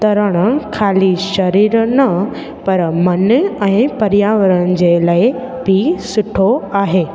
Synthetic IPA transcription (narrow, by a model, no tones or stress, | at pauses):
t̪ɐɾəɽ̃əkʰaːliʃɐɾiːɾnɐ | pɐɾmɐnɛ̃ːpɐɾjaːʋəɾəɽ̃d͡ʑelaːe | bisʊʈʰoaːɦeː